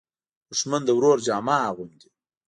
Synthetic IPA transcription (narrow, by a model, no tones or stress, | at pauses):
d̪̥ʊʂmand̪əwɾoɾd͡ʒɑːmɑːɣund̪i